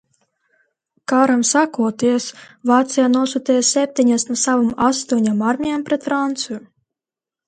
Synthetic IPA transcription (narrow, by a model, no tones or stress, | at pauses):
kaːɾamsakuɔt̪iɛsvaːt̪sɨjanuɔsut̪ɛːjsʲɛp̚ʲt̪ʲiɲasnusavɨmast̪uɔɲamaɾmʲijampɾɛt̪fɾant̪sɨju